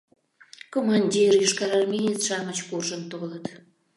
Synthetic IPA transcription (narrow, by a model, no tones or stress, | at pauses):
komɑnʲdʲirjiʃkɑɾɑrmejet̪ʃɑmət͡ɕkuʒənt̪olət̪